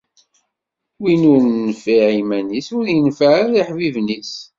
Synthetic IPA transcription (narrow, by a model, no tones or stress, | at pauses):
winʊɾnːəfiʕimænisʊɾjənfəʕəðiħvivnis